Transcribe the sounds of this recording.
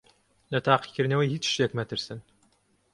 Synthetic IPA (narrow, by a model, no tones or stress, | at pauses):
lɐt̪ʰaːqi̥kʲɨɾnɐwɐjhiːt͡ʃʃjekmɛt̪ʰɨɾsɨn